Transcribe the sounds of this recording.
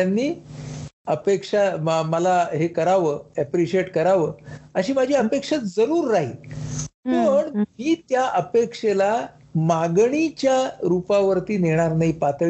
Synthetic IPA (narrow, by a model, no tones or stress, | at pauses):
anːiː | əpekʂaməlaɦekəɾaʋəːɛpɾiɕieʈkəɾaʋəːəɕiːmad͡ʑʱiːəpekʂat̪d͡zəɾuːɾːaɦiːpəɳmiːt̪jaʔəpekʂela | maɡɳit͡ɕjaɾupaʋəɾt̪iːneɽ̃aɾnaipat̪ɭ